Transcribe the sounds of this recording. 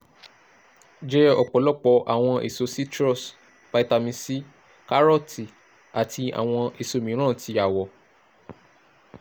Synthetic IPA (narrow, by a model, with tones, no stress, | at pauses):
d͡ʒɛ˦ɔ˨k͡pɔ˨˦lɔ˦˨k͡pɔ˧ʔa̰˨w̃ɔ̃˧ʔḛ˨so˨˦si˦tɾɔ˦˨s | pa˧i˦ta˧mĩ˧si˦ | ka˦ɾɔ˦ti˨ | a˨ti˧a̰˨w̃ɔ̃˧e˨so˨mĩ˨˦ɾ̃ãː˦˨ti˧˦a˨wɔ˨